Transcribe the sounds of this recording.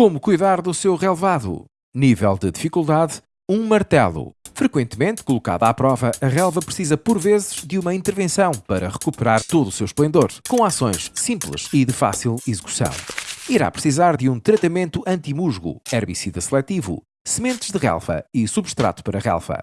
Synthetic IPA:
komukujðaɾðusewʁɛlˠvaðṵ | nivɛ̰lˠd̪ɨðifikulˠd̪að | ũmɐɾt̪ɛlˠṵfɾɨkwẽnt̪mẽnt̪kulˠuka̰ðapɾɔvɐʔɐʁɛlˠvɐpɾɨsizɐpɔɾvezɨʒ̥d̪jumɐĩnt̪ɨɾvẽsɐ̃w̃pɐɾɐʁɨkupɨɾaɾt̪oðusewʃplˠẽnd̪oɾkõasõj̃ʃsĩmplˠɨ̰ʃiðɨfa̰silˠizɨku̥sɐ̰̃w̃iɾa̰pɾɨsizaɾðũt̪ɾɐt̪ɐmẽnt̪uʔɐ̃nt̪imuʒɣṵɛɾβisiðɐslˠɛt̪ivṵ | sɨmẽnt̪ʒ̥ðɨʁɛ̰lˠvɐ̰isuβʃt̪ɾa̰t̪u̥pɐɾɐʁɛ̰lˠfɐ̰

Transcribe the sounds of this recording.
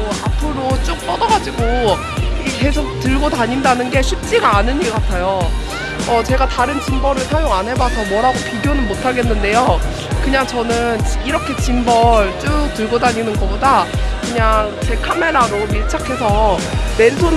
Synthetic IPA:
oapʰɯɾot͡ɕ͈ok̚p͈ʌdʌɡad͡ʑiɡo | ike̞sʰok̚tɯɭɡodaɲindanɯnɡe̞ɕʰip̚t͡ɕ͈iɡaːnɯɲiɡk͈atʰajo | ʌt͡ɕe̞ɡataɾɯnt͡ɕimbʌɾɯɭsʰajoŋanɦe̞basʰʌmwʌɾɦaɡopiɡjonɯnmotʰaɡe̞nːɯnde̞jo | kɯɲaŋt͡ɕʌnɯniɾʌkʰe̞t͡ɕimbʌɭt͡ɕ͈uk̚t͈ɯɭɡodaɲinɯnɡʌpodakɯɲaŋt͡ɕe̞kʰame̞ɾaɾomiɭt͡ɕʰakʰe̞sʰʌme̞nsʰon

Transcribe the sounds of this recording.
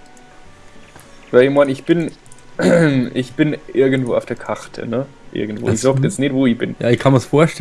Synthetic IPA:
vɛɪmanɪçb̥ɪn | ʔɪçb̥ɪnʔɪɐɡn̩tv̥oːaʊfd̥eːɐkʰaʁtʰə̰nə | ʔɪ̰ɐɡŋ̩tv̥o̰ːɪçz̥oktjɛt͡stnɪtv̥oːɪçb̥ɪnjaːɪçkʰanmiːɐsfoːɐʃtɛ

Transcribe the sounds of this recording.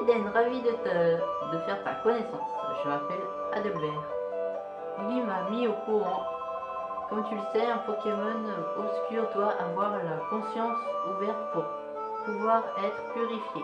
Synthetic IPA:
ed̪ɛnʁavid̪ət̪əd̪əfɛʁt̪a̰kɔnɛsɑ̃sʒəapɛl | a̰d̪əblɛʁ | lɥimamiokuʁɑ̃ | kɔmt̪yləsɛɛ̃pχəkʲemɔnɔbskʲyʁt̪waʔavwaʁlakɔ̃sjɑ̃suvɛʁt̪puʁ | puvwaʁɛt̪χpyʁifje

